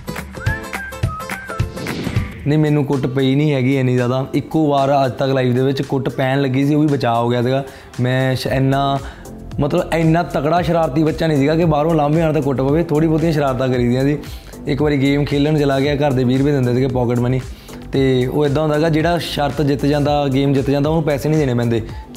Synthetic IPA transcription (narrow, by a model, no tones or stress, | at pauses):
nə̃iːmɛ̃ːnũːkʊʈpəiːnĩːɦɛːɡiːɛːnĩːzaːd̪aːɪkːoːʋaːɾəd͡ʒt̪əklaːiːʋd̪eːʋɪt͡ʃkʊʈpɛːnləɡːiːs̬iːoːʋiːbət͡ʃaːoːɡɪjaːsiːɡaː | mɛ̃ːɪnːãː | mət̪ləbəɪnːãːt̪əkɽaːʃəɾaːɾt̪ːiːbətːʃaːnĩːsiːɡaːkɪbaːɾõːlãːmbeːaːñt̪aːk̬ʊʈpəʋeːt̪ʰoːɽiːpoːt̪̬ijãːʃəɾaːɾt̪ãːkəɾiːd̪ɪjãːsiː | ɪkʋaːɾiːɡeːmkʰeːlːãːnũːt͡ʃəlaːɡɪaːkəɾd̪eːbiːɾbiːd̪ɪ̃nd̪eːsiːɡaːpɔːkəʈməniː | t̪eːo̰ːɪd̪ːaːɦʊ̃nd̪aɡaːd͡ʒeːɽaːʃəɾt̪d͡ʒɪt̪d͡ʒãːnd̪aːɡeːmd͡ʒɪt̪ːd͡ʒãːnd̪aːoːnũːpɛːseːnĩːd̪eːñeːpɛ̃ːnd̪eː